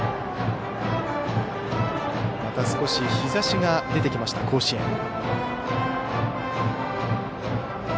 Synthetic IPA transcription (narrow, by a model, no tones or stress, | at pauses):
mat̪asɨ̥ko̞ɕiçizaɕiɡad̪e̞t̪e̞kʲimaɕi̥t̪akʰo̞ːɕiẽŋ